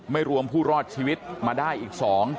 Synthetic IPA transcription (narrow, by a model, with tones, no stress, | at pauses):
ma˥˩jɾu˧əmpʰuː˥˩ɾɔː˥˩t̪̚t͡ɕʰiː˧wi˦˥t̪̚maː˧daː˥˩jʔiː˨˩k̚sɔː˩˦ŋ